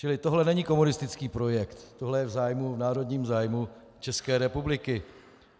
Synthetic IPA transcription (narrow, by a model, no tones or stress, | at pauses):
t͡ʃɪlɪt̪o̞ɦlɛnɛɲiko̞munɪst̪ɪt͡skiːpɾo̞jɛkt̪t̪o̞ɦlɛjɛvzaːjmuvnaːɾo̞d̪ɲiːmzaːjmu | t͡ʃɛskɛːɾɛpublɪkɪ